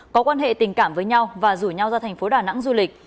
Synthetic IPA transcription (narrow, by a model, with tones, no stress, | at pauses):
kɔ˨˦kwaː˧nɦḛ˧˨t̪ï˨˩ŋ̟kaː˧˩mvəː˨˦jɲa˧wvaː˨˩zu˧˩ɲa˧wzaː˧t̪ʰɛ˨˩ŋ̟fo˨˦ɗaː˨˩na̰˧˥ŋzu˧lï˨˩k̟̚